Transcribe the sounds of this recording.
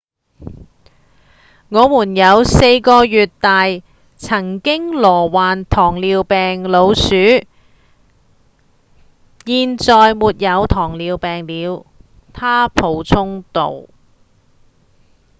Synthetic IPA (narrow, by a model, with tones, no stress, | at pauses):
ŋɔː˨˧muː˨˩njɐ˨˧wse˧jkɔː˧jyː˨t̚t̪aː˨j | t͡sʰɐ˨˩ŋkɪ˥ŋlɔː˨˩waː˨nt̪ʰɔː˨˩ŋliː˨˧wpɛː˨ŋlo˨˧wsyː˨˥ | jiː˨˧nt͡sɔː˨˧jmuː˨t̚jɐ˨˧wt̪ʰɔː˨˩ŋliː˨˧wpɛː˨ŋliː˨˧w | t̪ʰaː˥pʰo˨˧wt͡sʰʊ˥ŋt̪o̰˨w